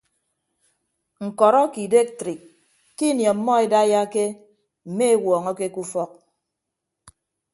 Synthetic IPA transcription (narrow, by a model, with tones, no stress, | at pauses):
ŋ̩˨kɔ˨ɾɔ˦ki˨de˦k̚tɾi˨kː | i˦njɔ˨˦mːɔ˦e˦da˦ja˦ke˦ | m̩˨me˦e˦wɔː˨ŋɔ˦ke˦ku˦fɔ˦k̚